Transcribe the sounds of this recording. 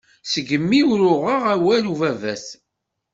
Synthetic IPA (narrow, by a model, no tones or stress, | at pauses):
səɡəmːiwɾʊʁəʁæwæluvævæs